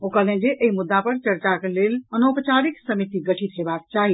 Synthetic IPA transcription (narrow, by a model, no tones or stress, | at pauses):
okəlẽd͡ʒeʔeɦimud̪ːapəɾt͡ʃəɾt͡ʃakelelənopət͡ʃaɾiksəmit̪iɡəʈʰit̪ɦebak̚t͡ʃaɦi